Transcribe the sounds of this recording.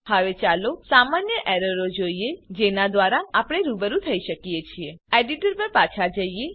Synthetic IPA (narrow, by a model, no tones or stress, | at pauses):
həʋet͡ʃalosamanjəʔɛɾəɾod͡ʒoied͡ʒenad̪ʋaɾaːpɽ̃eɾubəɾũt̪ʰəiʃəkjet͡ʃʰieeɖiʈəɾpəɾpat͡ʃʰad͡ʒəije